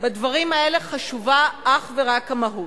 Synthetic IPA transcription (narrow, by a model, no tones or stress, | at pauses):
bad̪vaʁimɐe̞le̞χaʃuvaʔaχveʁakamaɦut